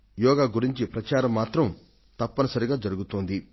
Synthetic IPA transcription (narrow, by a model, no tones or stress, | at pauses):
jɔːɡaːɡuɾiɲt͡ʃipɾɐt͡ʃaːɾɐmːaːt̪ɾɐm | t̪ɐpːɐnɐsɐɾiɡaːd͡ʒɐɾuɡut̪oːnd̪i